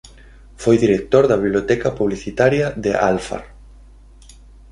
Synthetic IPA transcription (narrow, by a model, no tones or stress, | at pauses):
fojðiɾek̚t̪oɾðɐβiβljot̪ɛkɐpuβliθit̪aɾjɐðeʔalfa̰ɾ